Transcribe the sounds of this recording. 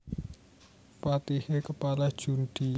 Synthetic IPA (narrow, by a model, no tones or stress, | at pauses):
fat̪ihekəpalad̥ʒ̥ṳnɖ̪̥i